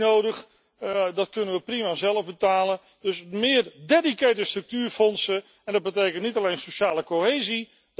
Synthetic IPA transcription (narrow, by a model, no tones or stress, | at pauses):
owdəx | dɑt̚kɵnənʋəprimazɛlˠəvbətaːlən | dɵsmɪːrdedikeːtəstrɵk̚tyːrfɔnsə | ɛndɑd̚bətejkən̩tnitalejnsoʃaːləkoɦeːzi